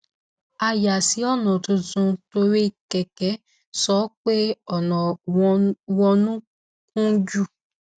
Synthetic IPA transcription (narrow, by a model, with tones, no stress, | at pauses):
a˧ja˨si˨˦ɔ˦˨nɔ̃˨tũ˧tũ˧to˧ɾi˦i˨kɛ˨kɛ˨˦ | sɔ˨˦k͡pe˦ɔ˨nɔ̃˨˧ | wɔ˧nũ˦ | kũ˦d͡ʒu˦˨